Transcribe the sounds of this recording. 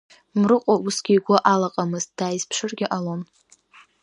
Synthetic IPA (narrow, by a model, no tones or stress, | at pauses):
mrɨqʼausɡʲiːɡʷʊʔalaqʼamɨztd̥aːjizpʰʂɨrɡʲɪʔalon